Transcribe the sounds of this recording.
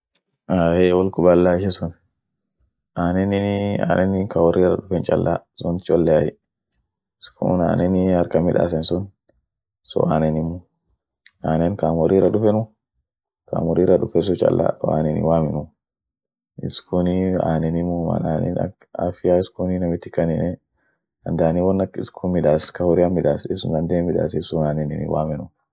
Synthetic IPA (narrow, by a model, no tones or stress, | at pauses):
ahɛwɔlkʊbɐlːaɪʃ̬ɛsʊn | ʔaːnɛnɪa̰ːnɛnɪkawɔɾirɐ̰ᶑʊfɛnt͡ʃʼɐlːʔa̰sɔnt̪t͡ʃɔlːɛajɛ | skʰṵna̰ːnʔɛnɪɐɾkɐmɪᶑa̰sɛnsʊn | sɔ̰aːnɛnɪmu | aːnɛnkamɔɾiːɾɐɗʊfɛnʊ | ka̰ːmɔɾiɾɐɗʊfɛns̬ɔt͡ʃɐ̰lːa̰wa̰ːnɛnḭwaːmɛnʊ | ɪ̰skunia̰ːnɛnimuma̰naːnɛ̰na̰k | a̰fɪjaɪskuninɐmɪt̪ːɪ̥kːɐnɪnɛ | ɐnd̪aːniwɔnːɐkɪ̰skʰumɪᶑaːskɐhʊɾɪamːɪᶑaːsɪsnd̪ɐnd̪eːmɪᶑa̰ːsɛsʊnaːnɛnɪnḭwa̰ːmɛnʊ